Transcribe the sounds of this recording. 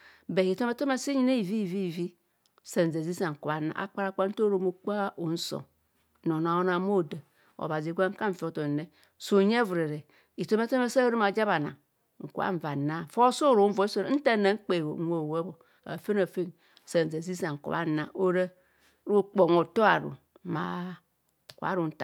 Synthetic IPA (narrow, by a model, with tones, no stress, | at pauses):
be˨i˨to˦me˦to˦ma˦si˦ɲi˦ne˦i˨vi˦i˨vi˦i˨vi˦ | sa˨n˨ze˨zi˦sa˨ŋ̩˨ku˨βa˨na̰˨ʔa̰˨k͡pa˦ɾa˦k͡pa˦n̩˦to˦ɾo˦mo˦k͡pa˦o˨n̩˦so̰˨ | no˨n˨a˨wo˦na˨˦mo˦˨da˨ | o̰˨ba˨zi˨ɡʷa˦ŋ̩˦ka˦ɱ̩˨fi˨o˨˦to˨ne˦ | so˨ɲ˦e˦vu˨ɾe˨ɾe˨ | i˨to˦me˦to˦me˦sa˦ɾe˦ma˨d͡ʒa˦ba˨na̰˨ŋ | ŋ̩˨kṵ˨˦a̰˦ɱ˨va˨na˦˨fo˦so˦˨ɾo˨˦m̩˦vo˨i˦so˦ɾn̩˦ta˦˨na˨ŋ͡m̩˦k͡pe˨wo̰˨˦o˨we˦bo˨ | a̰˨fe˦na˨fe˦n | se˨n˨ze˨zi˦sa˨ŋ̩˨ko̰˨βa̰˨˦na˨o˦ɾe˦ | ɾo˦k͡po˨ŋo˨to˦a̰˨ɾṵ˨ | ma̰˨˦˨ | ka̰˨˦ɾu˨n̩˦ta˨